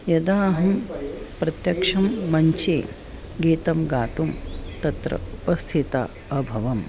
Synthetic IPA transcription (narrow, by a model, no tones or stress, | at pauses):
jɐd̪aːɦɐmpɾɐt̪jɐkʂɐmːɐɲt͡ʃeː | ɡiːt̪ɐmɡaːt̪umt̪ɐt̪ɾɐ̰upɐst̪ʰit̪a̰ | ɐbʱɐʋɐm